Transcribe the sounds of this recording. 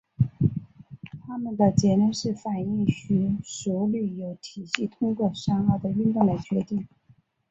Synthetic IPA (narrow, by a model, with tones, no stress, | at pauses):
t̪ʰa˥mə˨nd̪ə˨t͡ɕjɛ˧˥nɛ˥˧nʂɻ̩˥˩fa˨˩ni˥˩ŋɕy˧˥ʂu˧˥ly˨˩jo˨˧˩ʊt̪ʰi˨˩ɕi˥˩t̪ʰʊ˥ŋkwɔ˥˩ʂa˥ŋə˧˩d̪ə˨y˥˧ŋt̪ʊ˥˧ŋla˧˥ɪt͡ɕɥɛ˧˥t̪i˥˩ŋ